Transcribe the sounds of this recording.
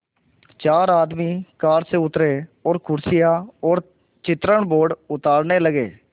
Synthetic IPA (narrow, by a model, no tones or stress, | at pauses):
t͡ʃaːɾaːd̪miːkaːɾseʊt̪ɾeːɔːɾkʰʊɾsɪjaːɔːɾ | t͡ʃɪt̪ɾəɳboːɖʊt̪aːɾneːləɡeː